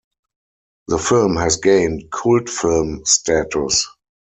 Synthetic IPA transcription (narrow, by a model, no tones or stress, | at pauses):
ðəfɪlmhæsɡẽɪ̃ntkʰultfɪlmstʰaætʊs